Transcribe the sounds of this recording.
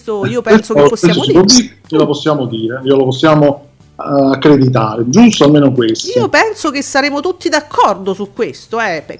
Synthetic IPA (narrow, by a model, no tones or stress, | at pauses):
t̪oiːopɛensopːosːɛas̬osipwɔd̪ːiːɾ | olaposːjaːmod̪iːɾeiːolaposːjaːmo | akːɾed̪it̪̬aːɾed͡ʒust̪oalmeːnokwestioopɛnsok̟esːaɾeːmot̪ut̪ːid̪akʰːɔrd̪osukːwest̪oɛp